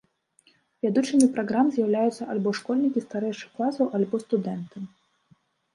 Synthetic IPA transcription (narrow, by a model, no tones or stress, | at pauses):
vʲad̪ut͡ʂɨmʲipɾaɣɾamzʲjɐwlʲajut̪sːɐalʲbɔʂkɔlʲnʲikʲist̪aɾɛjʂɨxklˠasɐwʔalʲbɔst̪ud̪ɛnt̪ɨ